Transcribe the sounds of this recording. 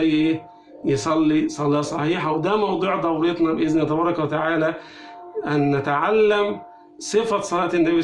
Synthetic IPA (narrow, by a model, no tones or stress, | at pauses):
æjːʔeː | jesˤɑlːisˤɑlːɑːsˤɑħiːħawd̪æmɑwd̪ˤuːʕd̪ˤɑwɾet̪nɑbʔɪznæt̪ɑbɑːɾˤɑkwæt̪aʕaːlæ | ʔænːæt̪aʕalːæm | sˤɨfɑsˤɑlɑːt̪ɪnːæbi